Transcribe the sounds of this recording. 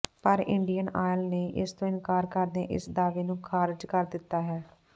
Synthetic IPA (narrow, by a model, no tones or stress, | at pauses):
pəɾɪ̰ɳɖijəna̰ːjəlneʔɪst̪õːɪnkaːɾkəɾd̪eːʔɪ̰sd̪aːʋeːnũːkʰaːɾɪd͡ʒkəɾd̪ɪt̪ːaːɦɛː